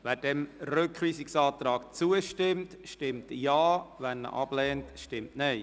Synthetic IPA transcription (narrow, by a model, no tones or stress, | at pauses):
ʋæːɾd̥ɛmrøkχʋiːsɪksɑːt̪ɾɑːkt͡suəʃtɪmt | ʃtɪmtjaːʋɛnːə̰ʔɑb̥lɛːntʃtɪmtnɛɪ